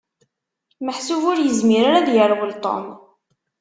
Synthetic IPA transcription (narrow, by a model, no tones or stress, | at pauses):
məħsʊvʊɾjəzmiɾaɾaðjəɾwəlt̪ˤo̰m